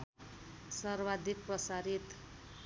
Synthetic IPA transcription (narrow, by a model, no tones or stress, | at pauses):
sʌrbad̪ʱik̚prʌsaɾit̪